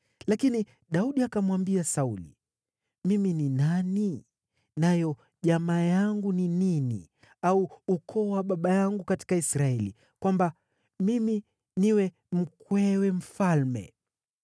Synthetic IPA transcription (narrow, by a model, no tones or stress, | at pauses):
lakini | ɗauɗiakamwambiasaulḭ | mimininani | najɔ | ʄamaːjaŋɡunininḭ | auːkʰɔwaɓaɓajaŋɡukati̥kaisɾaɛlḭ | kwamba | mimi | niwɛ | m̩kwɛwɛm̩falmɛ̰